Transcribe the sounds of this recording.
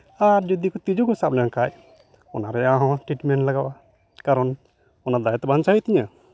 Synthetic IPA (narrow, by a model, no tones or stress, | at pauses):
aɾd͡ʒud̪ikɔt̪id͡ʒuɡɔsap̚lɛɔnkaj | ɔnaɾɛaɦɔ̃ʈɾiʈmɛnʈlaɡawa | kaɾɔn | ɔnad̪ajat̪ɛbant͡ʃaɦit̪iɲa